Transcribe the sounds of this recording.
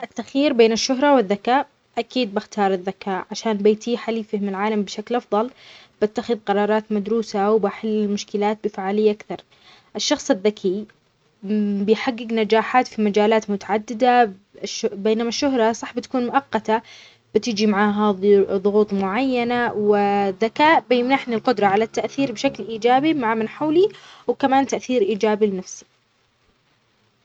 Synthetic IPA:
ʔɪt̪ːaxiːɾbeːnɪʃːʊɦɾˤɑwɪðːakaːʔ | ʔakiːd̪̚bɪxt̪ɑːɾˤɪðːakaːʔʕaʃaːnbeːt̪ʰiːħaliːfɪhmɪlʕaːlambɪʃaklʔɑfðˤɑlb̥at̪ːaxɪðqɑɾˤɑːɾˤɑːt̪mad̪ɾuːsawbaħɪlːɪlmʊʃkɪlaːt̪̚bɪfaʕaːlɪjːaʔakθɑɾˤ | ʔɪʃːɑxsˤɪðːakʰij | bɪjħaɡːɪɡnad͡ʒaːħaːt̪fimad͡ʒaːlaːt̪mʊt̪aʕad̪ːɪd̪a | ʃbeːnamaʃːʊɦɾˤɑsˤɑħbɪt̪ḁkuːnmʊʔɑqːɑt̪a | b̥ɪt̪ɪd͡ʒimaʕaːɦaðˤʊɣuːt̪ˤmʊʕajːanawɪðːakaːʔbɪjɪmnaħnilqʊd̪ɾˤɑʕalat̪ːaʔθiːɾbɪʃaklʔiːd͡ʒaːbimaʕamɪnħawliwɪkamaːnt̪aʔθiːɾʔiːd͡ʒaːbilɪnafsi̥

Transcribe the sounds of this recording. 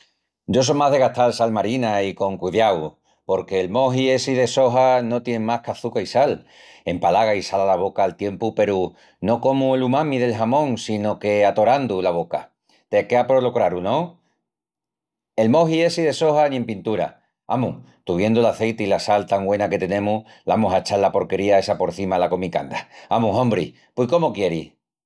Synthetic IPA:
ɟ͡ʝo̞s̬omaðe̞ɣaht̪alsalmaɾinaiko̞ŋkuðjaw | po̞ɾke̞ːlmo̞ɦie̞siðe̞so̞ɦano̞t̪je̞mahkaθukaisal | e̞mpalaɣaisalalaβ̞o̞kaːlt̪je̞mpupe̞ɾu | no̞ko̞muelumãmiðe̞lɦamõ̞ŋsino̞ke̞at̪o̞ɾand̪ulaβ̞o̞ka | t̪ekeapɾolokɾaɾunõ | e̞lmo̞ɦie̞siðe̞so̞hanĩẽ̞mpint̪uɾa̰ | a̰mu | t̪uβje̞nd̪oulaθe̞jt̪eilasalt̪aŋɡwe̞nake̞t̪e̞nẽ̞muh | laamoɦaet͡ʃalːapo̞ɾke̞ɾiae̞sapo̞ɾθimalako̞mika̰nd̪aamuɦõ̞mbɾi | pwekomokje̞ɾi

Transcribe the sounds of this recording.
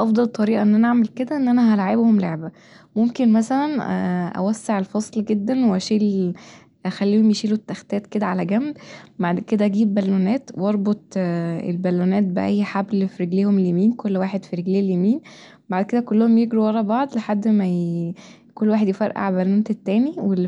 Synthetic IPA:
ʔɑfd̪ˤɑlt̪ˤːɑɾiːʔæʔenːʔænæʔaʕmelked̪æʔenːʔænæɦælaʕebhomleʕbæ | momkenmæsælænʔæ̰wæsːeʕelfɑsˤlɡed̪ːænweʔæʃiːl | ʔæxælːiːhomjeʃiːlot̪ːæxt̪æːt̪ked̪æʕalæɡæmdbaʕd̪ked̪æʔæɡiːbːælːonæːt̪wɑɾˤbot̪̚ˤḛlbælːonæːt̪̚beʔæjːħablfiɾeɡliːhomeljemiːnkolːwaːħed̪fiɾeɡliːljemiːn | baʕd̪ked̪ækolːohomjeɡɾuwɑɾˤɑbɑʕd̪ˤleħad̪ːmæ | kolːwaːħed̪jefæɾʔa̰ʕbælːunt̪et̪ːæːniwel

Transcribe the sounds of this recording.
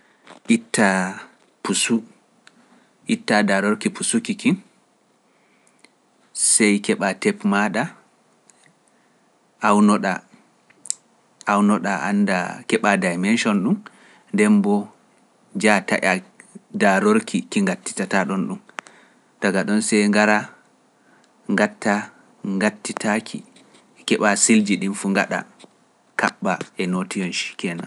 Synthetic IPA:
ʔitːa | pusu | ʔitːadaɾoɾkipusukikin | sɛjkɛɓatɛpmaɗa | ʔawnɔɗa | wnɔɗa̰ʔa̰ndakɛɓadajmɛnʃɔnɗum | ndɛmbɔ | d͡ʒata̰ʔadaɾoɾkʰikiŋɡatːi̥tataɗɔnɗum | d̥aɡaɗɔnsɛjŋɡaɾa | ŋɡatːa | ŋɡatːitʰakʰḭ | kɛɓasild͡ʒiɗinfuŋɡa̰ɗa̰ | ka̰ɓːaɛnotijɔnʃi̥kɛna̰

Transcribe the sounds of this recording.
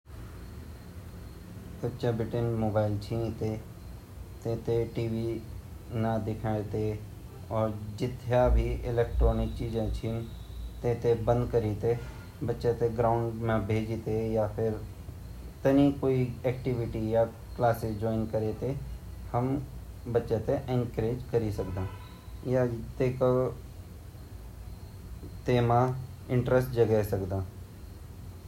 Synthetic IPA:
bətːʃabɪʈenmoːbaːɪlt͡ʃʰĩːnt̪e | t̪ẽːt̪eʈiːʋi | nad̪ɪkʰaːet̪e | ɔːɾd͡ʒɪt̪ʰejabʱiɪleːk̚ʈɾoːnɪk̚t͡ʃiːd͡ʒãt͡ʃʰiːnt̪ẽːt̪ebə̃nd̪̚kəɾit̪e | bətːʃat̪eɡɾaːʊɳɖmẽbʱeːd͡ʒit̪ejapʰɪɾ | t̪ənĩkoːiɛːkʈɪʋɪʈija | klaːsɪd͡ʒɔːɪnkəɾet̪ehəm | bətːʃẽt̪eʔẽŋkɾeːd͡ʒkəɾisəkd̪ãː | jat̪eːko | t̪eːmã | ɪ̃ɳʈɾəsʈd͡ʒəɡɛːsəkd̪ãː

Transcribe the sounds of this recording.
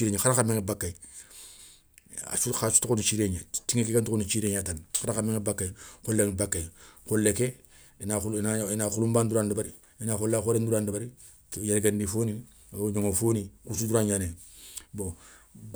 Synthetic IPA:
iɾeɲexaɾakameŋebakːai | a̰suxasu̥tuonut͡ʃiɾeɲetiŋekekentukunut͡ʃiːɾeɲatanxaɾakameŋebakːaikolːeŋbakːaikolːeke | naunainaxulumbanduɾandubaɾi | inaxolːakoɾenduɾandabaɾi | jeɾɡendifoːni | ɲoŋofoːnikusuduɾaɲanebo

